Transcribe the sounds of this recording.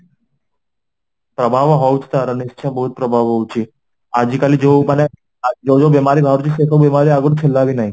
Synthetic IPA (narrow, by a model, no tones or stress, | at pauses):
pɾəbʱaʋɦɔwt͡ʃʰt̪aɾanɪst͡ʃʰãbəɦut̪̚pɾəbʱaʋɦɔwt͡ʃʰi | ad͡ʒikalid͡ʒoməne | d͡ʒod͡ʒobemaɾibʱaɾt͡ʃisekʰəbemaɾiaɡəɽt͡ʃʰelːaʋinaɦĩ